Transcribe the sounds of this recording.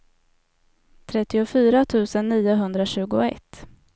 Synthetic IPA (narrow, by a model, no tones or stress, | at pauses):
t̪ʰɾɛt̪ːɪʊfyːɾat̪ʰʉ̟ːsənːiːʊɦɵnd̪ɾaɕʉ̟ːɡʊɛ̰t̪ː